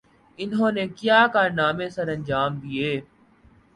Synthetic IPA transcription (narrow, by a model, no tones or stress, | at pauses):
ɪnɦõːnekjaːkaːɾnaːmẽsɐɾɐ̃nd͡ʒaːmd̪ieː